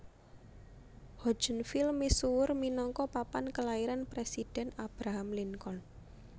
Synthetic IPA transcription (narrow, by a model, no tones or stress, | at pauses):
hɔ̥d͡ʒ̥ə̤nfɪlmisuwʊrminɔŋkɔpapankəlaiɾanpɾesid̥ɛ̤nab̥ɾaɦamliŋkɔn